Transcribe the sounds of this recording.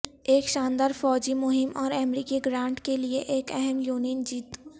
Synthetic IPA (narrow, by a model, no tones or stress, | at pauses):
eːkʃãːnd̪aːɾfɔːd͡ʒimʊɦɪmɔːɾɛmɾiːkiɡɾãːɳɖkelieʔeːkɛɦɛmjuːnind͡ʒiːt̪